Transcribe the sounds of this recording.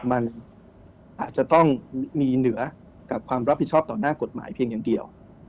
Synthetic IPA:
ma˧n | ʔaː˨˩t̪̚t͡ɕa˨˩t̪ɔ˥˩ŋmiː˧nɯ˩˦ɐ | ka˨˩p̚kʰwaː˧mɾa˦˥pːi˨˩t͡ɕʰɔː˥˩p̚t̪ɔː˨˩naː˥˩ko˨˩t̪̚ma̰ː˩˦jpʰi˧əŋja˨˩ŋdi˧əw

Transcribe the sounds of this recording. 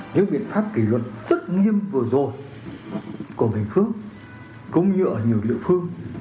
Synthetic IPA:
ɲɨ̰˧˥ŋ̚ɓḭ˧˨ənfaː˦˥p̚ki˧˩lwə˨˩t̚zə˦˥t̚ŋi˧əmvɨ˨˩ə˩zo˨˩j | ku˧˩əɓï˨˩ŋ̟fɨ˦˥əŋ | kʊ̰˧˥ŋ͡mɲɨ˧ʔəː˧˩ɲi˨˩əwlḭ˧˨əfɨ˧əŋ

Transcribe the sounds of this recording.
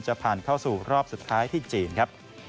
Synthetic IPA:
t͡ɕa˨˧˩pʰaː˨˩nkʰa˥˩wsuː˨˩ɾɔː˥˩p̚su˨˩t̪ʰːaː˦˥jt̪ʰiː˥˩t͡ɕiː˨˧nkʰa˦˥p̚

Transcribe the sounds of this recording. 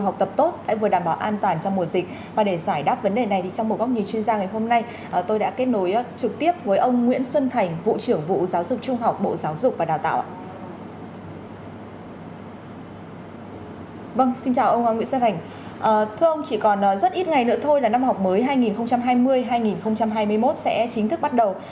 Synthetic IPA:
ɦwk͡p̚t̪ə˨˩p̚t̪o˦˥t̚ɗa̰ː˧˥vɨ˨˩ɗaː˧˩mɓaː˧˩wʔaː˧nt̪waː˨˩nt͡ɕɔ˧wŋ͡mmu˨˩əzï˨˩k̟̚ | vaː˨˩ɗe˧˩zaː˧˩jɗaː˦˥p̚və˨˦nɗe˨˩na˨˩jt̪ʰi˨˩t͡ɕɔ˧ŋ͡mo˨˩t̚ɣa˦˥wk͡p̚ɲi˨˩t͡ɕwi˧ənzaː˧ŋa˨˩jɦo˧mna˧j | ʔəː˨˩t̪o˧jɗa̰ː˧˥ke˦˥t̚no˨˦jt͡ɕɨ˨˩k̚t̪i˦˥əp̚vəː˨˦jʔə˧wŋ͡mŋwḭ˧˥ənswə˧nt̪ʰa˨˩jŋ̟vṵ˧˨t͡ɕɨ˧˩əŋvṵ˧˨zaː˨˦wzʊ˨˩k͡p̚t͡ɕʊ˧ŋ͡mɦa˨˩wk͡p̚ɓo̰˧˨zaː˨˦wzʊ˨˩k͡p̚vaː˨˩ɗaː˨˩t̪a̰ː˧˨ʔa̰ː˧ | və˧ŋsi˧nt͡ɕaː˨˩wʔə˧waː˧ŋwḭ˧˥nswə˧nt̪ʰjŋ̟ | ʔəː˨˩t̪ʰɨ˧əʔə˧wŋ͡mt͡ɕi˧˩kɔ˨˩nʔəː˨˩zə˦˥t̚ʔi˦˥t̚ŋa˨˩jnɨ̰˧˥ət̪ʰo˧jlaː˨˩na˧mhɦa˨˩wk͡p̚məː˨˦jɦaː˧jŋi˨˩nxə˧wŋ͡mt͡ɕa˧mɦaː˧jmɨ˧əjɦaː˧jŋi˨˩nxə˧wŋ͡mt͡ɕa˧mɦaː˧jmɨ˧əjmo˦˥t̚sɛ̰˧˥t͡ɕï˨˦ŋ̟t̪ʰɨ˦˥k̚ɓa˦˥t̚ɗə˨˩w

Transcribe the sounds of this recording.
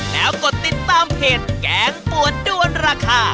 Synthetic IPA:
lɛː˦˥wko˨˩t̪ːi˨˩t̪ːaː˧mpʰeː˨˩t̪̚kɛː˦˥ŋpu˨˩əndu˧ənɾaː˧kʰaː˧˩

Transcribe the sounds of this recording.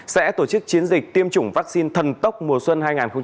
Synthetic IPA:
sɛ̰˧˥t̪o˧˩t͡ɕɨ˦˥k̚t͡ɕi˨˦ənzi˨˩k̟̚t̪i˧əmt͡ɕʊ˧˩ŋ͡mvaː˦˥k̚si˧nt̪ʰə˨˩nt̪ə˦˥wk͡p̚mu˨˩əswə˧nhaː˧jŋaː˨˩nxə˧ŋ͡m

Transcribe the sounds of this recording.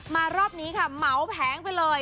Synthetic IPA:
maː˧ɾɔː˥˩p̚niː˦˥kʰa˦˥˩ma˩˦wpʰɛː˩˦ŋpa˧jlɤː˧j

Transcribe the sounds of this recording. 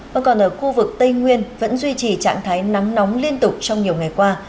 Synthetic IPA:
və̰˧nkɔ˨˩nʔəː˧˩xu˧vɨ˨˩k̚t̪ə˧jŋwi˧ənvə̰˧˥nzwi˧t͡ɕi˨˩t͡ɕa̰ː˧˨ŋt̪ʰaː˨˦jna˨˦ŋnɔ˨˦wŋ͡mli˧ənt̪ʊ˨˩k͡p̚t͡ɕɔ˧wŋ͡mɲi˨˩əwŋa˨˩jkwaː˧

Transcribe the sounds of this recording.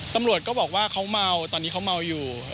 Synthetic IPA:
t̪a˧mɾu˨˩ət̪̚kɔː˥˩bɔː˨˩k̚waː˥˩kʰa˦˥wma˧wt̪ɔː˧nːi˦˥kʰa˦˥wma˧wjuː˨˩

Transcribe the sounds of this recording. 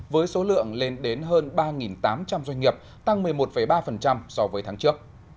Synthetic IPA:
vəː˨˦jso˨˦lɨ̰˧˨əŋle˧nɗe˨˦nɦəː˧nɓaː˧ŋi˨˩nt̪aː˨˦mt͡ɕa˧mzwa˧ŋ̟ŋi˨˩əp̚ | t̪a˧ŋmɨ˨˩əjmo˨˩t̚fə˧˩jɓaː˧fə˨˩nt͡ɕa˧msɔ˧vəː˨˦jt̪ʰaː˨˦ŋt͡ɕɨ˦˥ək̚

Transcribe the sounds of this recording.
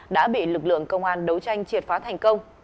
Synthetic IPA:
ɗa̰ː˧˥ɓḭ˧˨lɨ˨˩k̚lɨ̰˧˨əŋkə˧wŋ͡mʔaː˧nɗə˨˦wt͡ɕa˧jŋ̟t͡ɕi˨˩ət̚faː˨˦t̪ʰa˨˩jŋ̟kə˧wŋ͡m

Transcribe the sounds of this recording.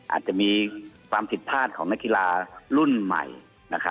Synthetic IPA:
ʔa̰ː˨˩t̪̚t͡ɕa˨˩ʔmiː˧kʰwaː˧mpʰi˨˩t̪̚pʰaː˥˩t̪̚kʰɔː˩˦ŋna˦˥kːi˧laː˧lu˥˩nma̰˨˩j | na˦˧˥kʰa˦

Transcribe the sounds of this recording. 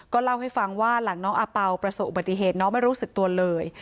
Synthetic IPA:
kɔː˥˩la˥˩wɦa˥˩jfa˧ŋwaː˥˩la˩˦ŋnɔː˦˥ŋʔaː˧pa˧wpɾa˧soː˨˩ʔu˨˩ba˧˩t̪ːi˧˩ɦeː˨˩t̪̚nɔː˦˥ŋma˥˩jɾuː˦˥sɯ˨˩k̚t̪u˧ɐlɤː˧j

